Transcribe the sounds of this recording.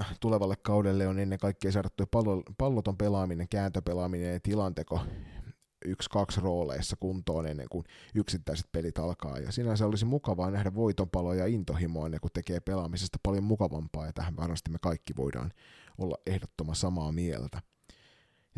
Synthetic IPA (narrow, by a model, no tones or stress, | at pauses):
t̪uleʋɑlːekkɑudelːeonenːeŋkɑikːieːsɑrɑt̪ːupɑlpɑlːot̪ompelɑːmineŋkæːnt̪øpelɑːminenjɑt̪ilɑnt̪eko | ykskɑksroːlḛːsːɑkunt̪oːnenːḛŋkunyksit̪ːæiset̪̚pelit̪ɑlkɑ̰ːjɑ̰siːnæseolisimukɑʋɑːnæhdæʋʋoit̪ompɑlojɑint̪ohimoɑnːekut̪ekeːpelɑːmisest̪æ̥pɑljommukɑʋɑ̰mpɑːjɑt̪æhæʋʋɑrmɑst̪imekɑikːiʋo̞̰idɑ̰ːnolːɑ̰ʔʔehdot̪ːomɑsɑmɑːmiḛlt̪æ | j